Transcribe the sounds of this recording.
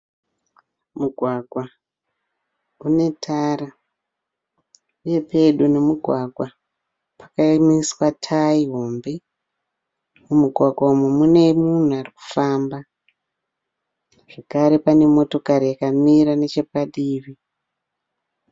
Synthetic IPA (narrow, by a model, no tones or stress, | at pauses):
muɡʱwaɡʱwa | une̞tʰaːra | uje̞pe̞ɗune̞muɡʱwaɡʱwa | pḁkamiswatʰaiɦombe | mumuɡʱwaɡʱwaumemune̞mun̤uariku̥faːmba | ʐ̥ekaɾe̞pane̞mo̞to̞kaɾijakamiɾane̞t͡ʃe̞paɗiːʋi